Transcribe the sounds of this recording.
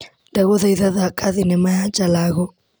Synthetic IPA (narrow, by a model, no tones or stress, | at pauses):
ndaɣɔðaiðaðakʼaðinɛmaat͡ʃalaɣɔ